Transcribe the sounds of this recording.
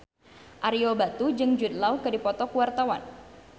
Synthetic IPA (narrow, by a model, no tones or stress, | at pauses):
ʔaɾiobat̪ud͡ʒɨŋd͡ʒud̪laukədipɔt̪ɔkuwart̪awan